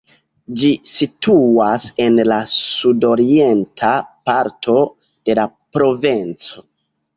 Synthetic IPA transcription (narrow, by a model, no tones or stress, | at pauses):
d͡ʒisituase̞nlasudo̞ɾie̞ntʰapaɾtʰo̞ | d̥e̞la | pɾo̞vent͡so̞̥